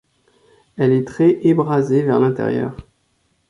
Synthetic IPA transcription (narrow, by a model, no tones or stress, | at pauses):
ɛlɛt̪χɛʔebʁazevɛʁlɛ̃t̪ɛ̰ʁjœ̰ːʁ